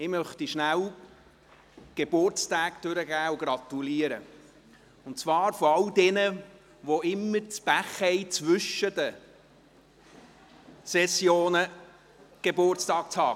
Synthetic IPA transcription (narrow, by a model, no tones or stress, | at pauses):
ɪmœχtiʃnæw | ɡ̥eb̥ʊrt͡staːkd̥øɾəɡæːʊɡ̥ɾɑt̪uliəɾə̰ | ʊnt͡svɑːɾfɔɑldɛnə | ʋoʔɪmːəɾt͡sb̥æχɛɪt͡sʋʏʃədə | sɛsjoːnə | ɡ̥ebʊrt͡stɑːk̚t͡shɑː